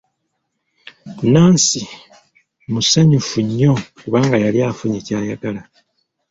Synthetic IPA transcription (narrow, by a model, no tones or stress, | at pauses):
unaːnsi | musaɲufuɲːo̞kuβaːŋɡajaljaːfuɲeːcaːjaɡala